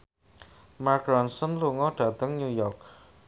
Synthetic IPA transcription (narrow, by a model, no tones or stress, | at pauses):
markɾɔnsənluŋɔɖ̥ä̤t̪əŋɲujɔrk